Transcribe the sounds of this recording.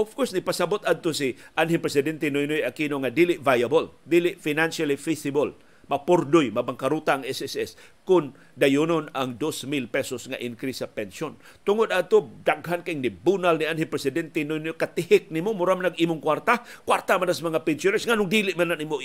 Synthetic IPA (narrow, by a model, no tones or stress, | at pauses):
ʔofkɔɹsnɪɡ̚pasabʊt̪ad̪̚t̪osiʔanɦɪmpɾɛsɪd̪ɛnt̪ɛnojnojakinoŋad̪ilɪʔvajabold̪ilɪʔfinanʃalifisɪbol | mɐpʊrd̪ʊjmɐbaŋkaɾut̪aʔːŋɛsɛsɛs | kʊn | d̪ajʊnʊnaŋd̪osmilpɛsosŋaʔɪnkɾisːapɛnson | t̪ʊŋʊd̪ad̪̚t̪od̪aɡɦankaʔɪŋnɪbunalnianhɪmpɾɛsɪd̪ɛnt̪ɛnojnojkat̪ɪhɪk̚nimomʊɾamanaɡimʊŋkwart̪akwaɾt̪amanasamɐŋapɛnsonɛsŋanʊŋd̪ilɪʔmananimo